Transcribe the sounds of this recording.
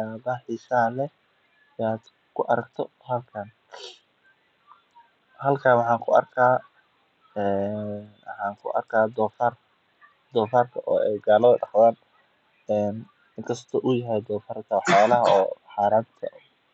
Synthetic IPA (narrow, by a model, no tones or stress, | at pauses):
aːðɐħiːsɐɦɐlɛ | jaːd̪̥ | kʰʊʔɐɾɐɡt̪ʰɔ | hɐlkʰɐn | hɐlkʰaːwɑħɑːŋkʰʊɐ̰rkʰaː | ɛːwħɑːŋkʰʊ̰ʔɐ̰rkʰaːd̪ɔːfar | d̪ɔːfarkʰɐʔɔːɛjɡaːlɐðɐɖɑhðaːn | ɛːn | ɪŋkʰɐst̪ʰɔʔʊjɐɦɛjd̪ɔːfɐrkʰɐwɑħjaːlɐɦɐɔːħɑːɾaːnt̪ʰɐ̰